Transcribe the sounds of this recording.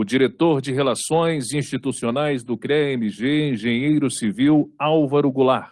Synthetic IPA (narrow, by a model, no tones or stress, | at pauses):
ʊd͡ʒiɾet̪oɾd͡ʒɪɦelasõj̃zĩʃt͡ʃit̪usionajzd̪ʊkɾeemiʒeẽʒẽɲejɾʊsiviwawvɐɾʊɡulaɾ